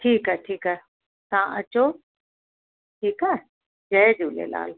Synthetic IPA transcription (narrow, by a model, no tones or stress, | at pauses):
ʈʰiːkɛʈʰiːkɛ | t̪ɐãʔɐt͡ɕo | ʈʰiːkɛ | d͡ʑɐed͡ʑuːlḛla̰ːl